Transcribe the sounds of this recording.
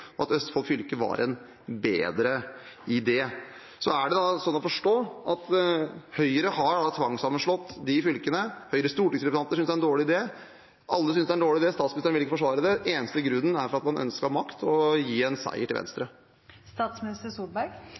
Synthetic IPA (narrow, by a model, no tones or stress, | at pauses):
ɔɑt̪œst̪fɑlfʏlkəʋɑ̰ɾʔɛ̰n | bḛːd̪ɾəɪd̪ɛː | sɔæɖɛd̪ɑsɔnːɔfɔʂʈoːɑt̪hœʏəɾəhɑɾɖɑt̪ʰʋɑŋsɑmːənʂɭɔt̪ːd̪ɪfʏlkənəhœʏəɾəst̪uːʈɪŋsɾɛspʉsɑnt̪əʂʏnsd̪ɛæɾɛnd̪oːɭɪd̪eː | ʔɑlːəsʏnsd̪ɛæɾɳɖ̪oːɭɪd̪eːst̪ɑːt̪smnɪst̪əɳɪlɪkːəfɔʂʋɑːɾəd̪ɛeːnəst̪əɡɾʉnːn̩æɾfɔɾɑt̪mɑnʔœ̰nskəɑmɑkt̪ʰɔjiːɛnsæ̰ɪəʈʰɪʋɛ̰nst̪ɾə | st̪ɑːt̪smɪnɪst̪əsubæɾɡ